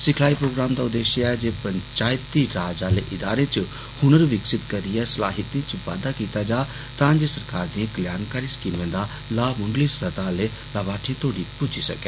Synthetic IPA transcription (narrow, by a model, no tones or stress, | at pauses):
sɪkʰlaːipɾoːɡɾaːmd̪aːʊd̪ːeːʃaɛd͡ʒeːpəɲt͡ʃaːjt̪iɾaːd͡ʒaːleːʔɪd̪aːɾẽt͡ʃ | hʊñəɾʋɪksɪt̪kəɾiɛːsɐlaːɦɪt̪ĩt͡ʃʋa̰ːd̪akiːt̪ad͡ʒaː | t̪ãːd͡ʒeːsɐɾkaːɾd̪ĩãkəljaːnkaːɾisə̥kiːnʋẽːd̪aː | laːmʊŋɡlisət̪aːleː | laːbaːʈʰẽt̪ʰoːɽipʊt͡ʃisɐ̰kɛː